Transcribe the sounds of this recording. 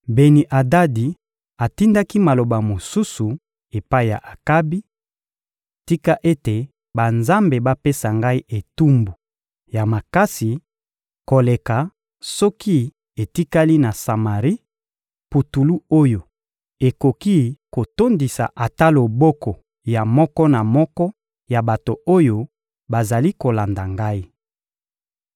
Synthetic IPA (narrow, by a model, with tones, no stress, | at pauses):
be˨ni˨ʔa˨da˦di˨ | a˨ti˦nda˦ki˦ma˨lo˨ba˨mo˨su˦su˨ | e˨pa˦i˦˨ja̰˨ʔa˨ka˦bi˦˨ | ti˦ka˦ʔe˦te˨ | ba˨nza˦mbe˨ba˦pe˦sa˨ŋɡa˦i˦ʔe˨tu˦mbu˨ | ja˨ma˨ka˦si˨ | ko˨le˨ka˨ | sɔ˦ki˦ | e˨ti˦ka˦li˦na˨sa˨ma˨ʁi˦ | pu˨tu˨lu˦o˦jo˨ | e˨ko˨ki˦ko˨to˦ndi˨sa̰˨ʔa˨ta˦lo˨bɔ˦kɔ˨ | ja˨mɔ˦kɔ˦na˨mɔ˦kɔ˦ | ja˨ba˨to˨o˦jo˦ | ba˨za˨li˦ko˨la˨nda˨ŋɡa˦i˦